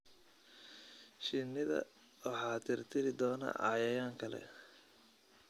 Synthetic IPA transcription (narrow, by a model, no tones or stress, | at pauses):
ʃɪnːɪðɐ̰ | wɑħɑːt̪ʰɪrt̪ʰɪɾɪd̪ɔːnɐ̰ʔɑ̰jɐjaːŋkʰɐlɛ̰